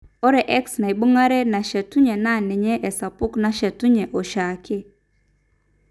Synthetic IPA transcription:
ɔ˦ɾɛ˨ʔɛ˦ksna˨i˨ɓu˦ŋa˦ɾɛ˦na˨ʃɛ˨tu˦ɲɛ˨na˦˨nɛ˨ɲɛ˦ʔɛ˨sa˨pʊ˦kna˦ʃɛ˨tu˦ɲɛ˨ʔo˨ʃa˨ke˦

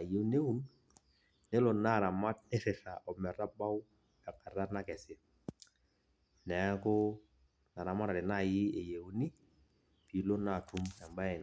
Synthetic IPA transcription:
a˨je˦u˦ne˦u˦n | nɪ˦lɔ˨na˦˨ɾa˨ma˦t̚nɪ˦fɪ˨fa˨ʔɔ˨mɛ˨ɾa˦ba˦w | a˨ka˨ɾa˦na˦kɛ˨sɪ˦ | nɛ˨˦kʊ˦ | na˨ɾa˨ma˦ta˨ɾɪ˨na˦˨jɪ˦e˨je˨u˦ni˦ | pi˨˦lo˦na˦˨tʰu˦ma˨mba˦ɛ˨n

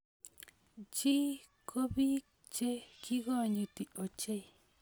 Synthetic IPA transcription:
t͡ʃi˦ | kʰo˦βi˦ | t͡ʃe˦ki˦ɣo˦˨ɲũ˧t̪i˨o˨t͡ʃe˦j

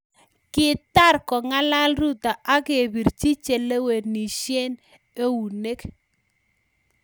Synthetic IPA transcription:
kɪ˦t̪a˦˨ɾkɔ˨ŋa˦la˦lɾu˦t̪a˨ʔa˦ɡe˨bi˨ɾt͡ʃi˦t͡ʃe˨le˦we˨dni˨ʃje˦n | e˦wu˨ne˦k

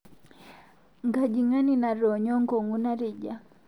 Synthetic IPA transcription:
ŋɡa˨d͡ʒi˨ŋa˦ni˦na˨ɾɔ˨ɲɔ˦ŋɡɔ˨ŋɡu˦na˦ɾi˦d͡ʒa˨

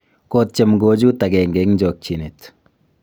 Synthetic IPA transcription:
kot̚t͡ʃe˨mɡo˨d͡ʒu˦ta˨ɡɛ˨ŋɡɛ˨ŋɲd͡ʒɔ˨k̚t͡ʃi˨net

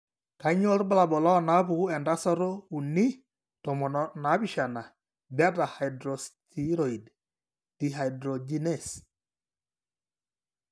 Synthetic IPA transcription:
ka˨˦ɲɔ˦ɾba˦la˨bɔ˨lɔ˦na˦bu˨˦ɛ˨nda˦sɔ˦ɾo˦u˨ni˦ | tɔ˨mɔ˨nna˨˦bi˦ʃa˨na˨ | ba˦da˨ha˨jdɾɔ˨stʰi˦ɾɔ˨i˨d | ti˨ɦa˨jdɾɔ˨d͡ʒi˦nɛ˦˨s

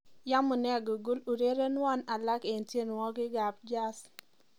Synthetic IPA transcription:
ja˦mʊ˨nɛ˦˨ɡo˨ɡu˦lu˨ɾe˦ɾe˦n˦ɔ˦na˨la˦ke˨ntje˦˨n˨wɔ˦ɡɪ˦ɡa˨p̚d͡ʒa˦s

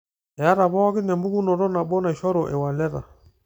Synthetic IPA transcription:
ɛ˨a˦ɾa˨βɔ˦ɣi˦nɛ˨mbu˦ku˦nɔ˨ɾɔ˦na˨ɓɔ˦na˨i˨ʃɔ˦ɾɔ˨ʔɛ˨wa˨lɛ˦ɾa̰˨

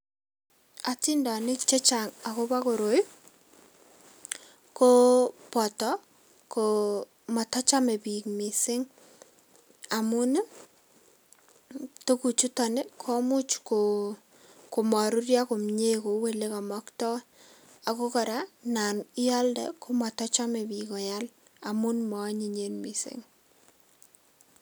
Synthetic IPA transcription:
a˨ti˦nda˨nɪ˦kt͡ʃe˦t͡ʃaŋa˨ko˦pa˦ko˨ɾo˨j | ko˦pɔ˨tɔ˦ | ko | ma˨ta˦t͡ʃa˦me˨pi˨kmi˨sɪ˦ŋ | a˨mu˦n˦ | to˦ku˨t͡ʃu˦tɔ˨nɪ˦kʰɔ˦mʊ˦t͡ʃko | ko˨ma˨ɾu˦ɾjako˨mɲe˦ko˨we˦le˦ka˨mɔ˦ktɔ˦ | a˨ko˦kɔ˨ɾa˦na˨nɪ˦a˦ldɛ̰˨ko˦ma˨tɔ˦t͡ʃa˦me˨bikɔ˨jal | a̰˨mʊ˦nmɔ˨˦ɲi˨ɲe˦nmi˨sɪ̰˦ŋ

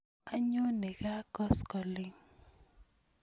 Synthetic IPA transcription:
a˦ɲo˦ne˨ka˦kɔ˦skɔ˨lɪ˦ŋ

